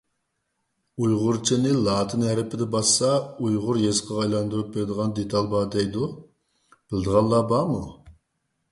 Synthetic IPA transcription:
ujʁʊɾt͡ʃʰinɪlˠɑːt̪ʰɨnhɛɾɪpʰɪd̪ɛbɑsːɑujʁʊɾjesqʰɑɑjlˠɑnd̪uɾup̚beɾɪd̪əʁɑnd̪et̪ʰɑlˠbɑd̪ɛjd̪u | b̥ɪld̪əʁɑnlˠːɑbɑmu

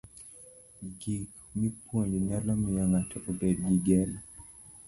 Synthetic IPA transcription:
ɡik | mipʰwoɲd͡ʒɲalamijaŋatɔʔobed̚ɡiɡɛla

